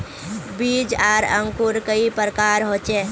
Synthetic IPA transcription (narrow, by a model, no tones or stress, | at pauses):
bid͡ʒaːɾəŋkuɾkəipɾəkaːɾɦoːt͡ʃe